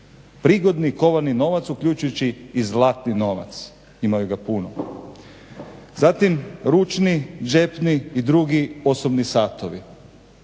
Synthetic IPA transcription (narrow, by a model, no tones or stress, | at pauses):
pɾiːɡo̞d̪niko̞ʋaɾnino̞ʋat̪sukʎut͡ʃujut͡ɕiːzlˠat̪nino̞ʋa̰t̪s | imajuɡapuno | zat̪imɾut͡ʃnid͡ʒe̞pniːd̪ɾuɡio̞sobnisaːt̪oʋi